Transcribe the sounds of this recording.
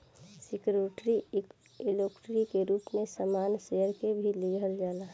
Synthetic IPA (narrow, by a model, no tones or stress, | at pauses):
sikɾoːʈɾi | iloːkʈɾikeɾuːpmẽsəmaːnsejəɾkebʱiliɡʱəld͡ʒaːla